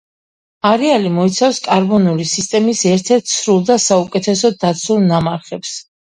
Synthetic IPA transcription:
aɾɛalimɔit̪sʰafskʼaɾbɔnulisist̪ʼɛmisɛɾt̪ʰɛɾt̪ʰsɾulˠd̪asaukʼɛt̪ʰɛsɔd̪at̪sʰulˠnamaɾχɛps

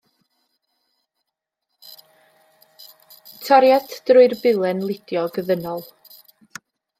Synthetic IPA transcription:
tʰɔɾjatʰd̥rʊɨrbɪlˠɛnlˠɪd̥jɔɡəðənɔlˠ

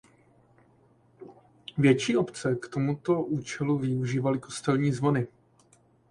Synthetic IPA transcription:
vjɛt͡ʃiːʔo̞pt͡sɛkt̪o̞mut̪o̞ʔuːt͡ʃɛluvɪuʒiːvalɪko̞st̪ɛlɲiːzvo̞nɪ

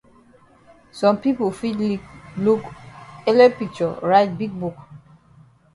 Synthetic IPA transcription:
sɔ̃mpipofidlilukelɛpik̚t͡ʃɔɹaɪt̚biɡ̚buk

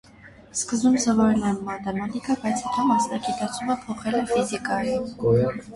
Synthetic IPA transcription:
skəzbumsɔvɔɾɛnɛmɑt̪ɛmɑt̪ikɑpɑjt͡sʰɑkimɑsnɑɡit̪ɑt͡sʰuməpʰɔχɛlɛfizikɑjum

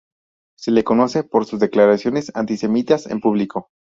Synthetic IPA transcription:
se̞le̞ko̞no̞se̞po̞ɾsuzðe̞klaɾasjo̞ne̞sa̰nt̪ise̞mit̪asḛmpuβ̞liko̞

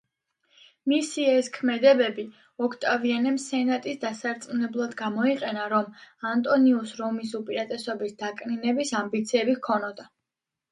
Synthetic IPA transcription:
misiɛskʰmɛd̪ɛbɛbi | ɔkʰt̪ʼavianɛmsɛnat̪ʼisd̪asaɾt̪sʼnɛblˠad̪ɡamɔiqʼɛnaɾɔmant̪ʼɔniusɾɔmisupʼiɾat̪ʼɛsɔbisd̪akʼninɛbisambit̪sʰiɛbihkʰɔnɔd̪a

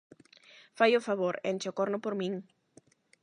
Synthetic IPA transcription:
fajofaβoɾḛnt͡ʃokoɾnʊpoɾmĩŋ

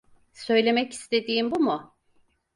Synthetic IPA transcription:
sø̞jlʲe̞mɛci̥st̪ʰe̞d̪iːmbumʊ

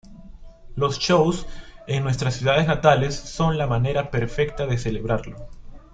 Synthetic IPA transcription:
lo̞st͡ʃowse̞ŋnwest̪ɾasːjuðað̞e̞znat̪ale̞sːo̞nlamane̞ɾape̞ɾfe̞k̚t̪aðe̞se̞le̞βɾaɾlo̞

